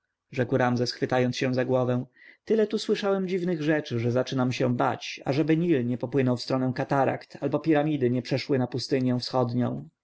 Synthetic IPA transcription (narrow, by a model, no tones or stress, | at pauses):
ʐɛkwɾamzɛsxfɘt̪ajɔnt̪sɕɛ̃zaɡwɔvɛ̃w̃t̪ɘlɛt̪uswɘʂawɛmd͡ʑivnɘɣʐɛt͡ʂɘʐɛzat͡ʂɘnamɕɛba̰t͡ɕa̰ʐɛbɘɲilɲɛpɔpwɘnɔwfst̪ɾɔnɛ̃w̃kat̪aɾa̰kt̪ʰalbɔpʲiɾamʲid̪ɘɲɛpʂɛʂwɘnapust̪ɘɲɛ̃fsxɔd̪ɲɔ̰̃w̃